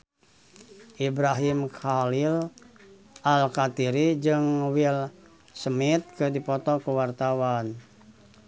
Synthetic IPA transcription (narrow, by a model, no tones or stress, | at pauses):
ʔibɾaɦimkʰalil | ʔalkat̪iɾid͡ʒɨŋwil | səmit̪̚kɨdipɔt̪ɔkəwart̪awan